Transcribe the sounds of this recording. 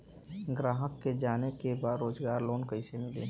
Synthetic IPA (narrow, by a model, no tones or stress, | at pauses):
ɡɾaːɦəkːed͡ʒaːnekebaːd̪ɾoːzɡaːɾloːnkəɪsemɪlḛ